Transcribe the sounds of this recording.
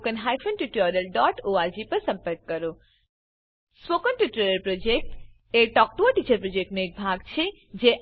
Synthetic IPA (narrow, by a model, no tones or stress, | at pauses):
kənɦajfʰənʈuʈɔɾəlɖɔʈoad͡ʒipəɾsə̃mpəɾkːəɾo | spokənʈuʈɔɾəlpɾod͡ʒek̚ʈ | eʈɔk̚ʈoəʈit͡ʃəɾpɾod͡ʒek̚ʈnoek̚bʱaɡt͡ʃʰe | d͡ʒeʔ